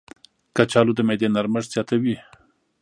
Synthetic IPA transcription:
kat͡ʃɑlod̪əmed̪enaɾməʐz̥jɑt̪awi

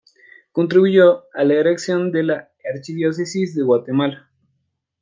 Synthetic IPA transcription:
ko̞nt̪ɾiβuʝoalaeɾeksjo̞nd̪e̞laː | ɾt͡ʃiβjo̞s̬esizðe̞ɣwat̪e̞mala

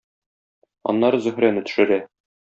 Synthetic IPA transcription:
ɒ̰nːɑɾɤzɵ̆hɾænɘt̪ɵ̥̆ʃɘ̆ɾæ

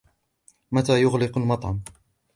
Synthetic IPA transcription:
mat̪aːjʊɣlɪqʊlmɑt̪ˤʕɑm

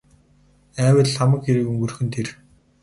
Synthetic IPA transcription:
æːwə̆ɮχamə̆kxeɾɘ̆kɵŋɡɵ̆rxɵ̆nt̪ʰer

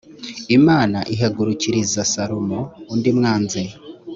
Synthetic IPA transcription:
imaːnaʔiɦaɡuɾuciɾizasaɾomoːndimŋaːnze

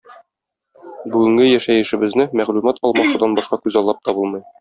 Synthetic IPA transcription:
bʉɡɘ̆ŋɡɘjæʃæjɘ̆ʃɘ̆bɘ̆znɘmæʁlʉmɑt̪ʰɒlˠmɑʃud̪ɑnbɒʃqɑkʉzɑlˠːɑp̚t̪ɒbɤlˠmɤ̆j

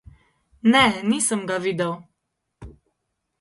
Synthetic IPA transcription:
nɛniːsəmɡaʋiːd̪əw

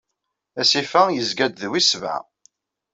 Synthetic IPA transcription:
æsifæjəzɡæd̪ðwisva̰

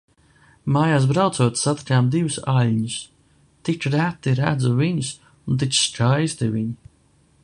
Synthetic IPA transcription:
maːjaːs̬bɾawt̪suɔt̪sat̪i̥kʲaːmd̪ivusalʲɲus | t̪it͡ʃɾæt̪ːiɾæ̰d̪zuviɲus | unt̪it͡ʃskajst̪iviɲi

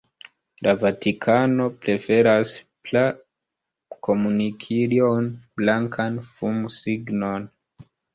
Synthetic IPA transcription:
lʔavatikʰano̞pɾe̞fe̞ɾas | pla | kʰo̞munikʰiɾionblaŋkʰanfumsiɡno̞n

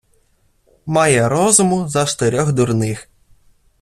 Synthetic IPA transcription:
mɑjɛɾɔzʊmʊzɐʃt̪eɾʲɔxd̪ʊrnɪx

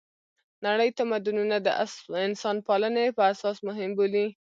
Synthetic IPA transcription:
naɽəjt̪amad̪ununad̪əʔasɪnsɑnpɑlənepəasɑsmʊɦɪmboli

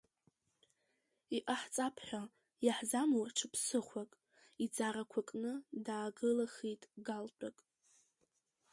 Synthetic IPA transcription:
iʔaħt͡sʼapʰħʷᶣa | jaħzamowrʈ͡ʂʰɨpʰsɨχʷakʼ | id͡zaɾakʷʰakʼnɨdaːɡɨlaχitʼɡalt͡pʼakʼ

